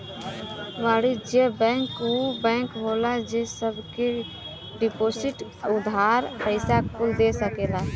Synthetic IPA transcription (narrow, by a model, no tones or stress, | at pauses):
ʋaːɽid͡ʒebɛ̃ŋkubɛ̃ːŋkɦolad͡ʒesəbke | ɖipoːsɪʈ | ʊd̪ʱaːɾpəɪsakkʰʊld̪esəkela